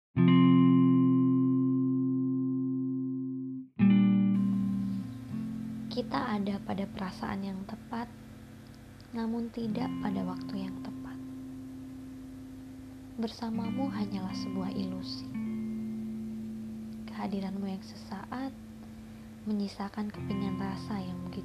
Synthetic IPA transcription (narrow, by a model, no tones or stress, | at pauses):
kit̪aːdapadapəɾasa̰ʔa̰njaŋt̪əpat̪̚ | namʊnt̪idaʔpadawak̚t̪ujaŋt̪əpat̪̚ | bərsamamuɦaɲalahsəbuahilusi̥ | kə̥ɦadiɾanmujaŋsə̥saʔat̪̚ | məɲisakankə̥piɲanrasajaŋbəɡit̪